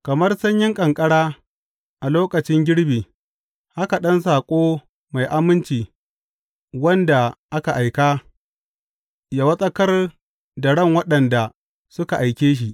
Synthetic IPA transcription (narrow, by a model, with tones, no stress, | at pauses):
kɐ˨mɐ˦rsɐ˦ɲjɪ˦ŋkʼɐ˨ŋkʼɐ˦ɽaː˦ | ʔa˨loː˦kɐ˨t͡ʃɪ˦ŋɡʲɪ˦ɽbiː˨ | ha˦ka˨ɗɐ˦nsaː˨kʷʼoː˦ | ma˨jʔa˦mɪ˦nt͡ʃiː˨ | wɐ˦nda˨ʔa˦ka˨ʔa˨jkaː˦ | jaː˨wɐ˦sʼɐ˦kɐ˦r | da˨ɽɐ˦˨ŋwɐ˦ɗɐ˨nda˨ | sʊ˦ka˨ʔa˨jkʲeː˦ʃ̬i˨ʔ